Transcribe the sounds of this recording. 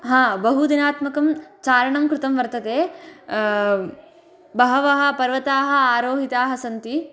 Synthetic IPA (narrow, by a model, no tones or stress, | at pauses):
ɦãːbɐɦud̪inaːt̪mɐkɐmt͡ʃaːɾɐɳɐmkɾɪt̪ɐmʋɐɾt̪ɐt̪eː | bɐɦɐʋɐɦɐ̆pɐɾʋɐt̪aːɦɐ̆aːɾoːɦit̪aːɦɐsɐnt̪i